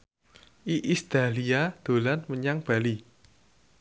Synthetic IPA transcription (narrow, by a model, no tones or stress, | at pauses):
ʔiʔist̪aliad̪̥o̤lanməɲaŋb̥ä̤li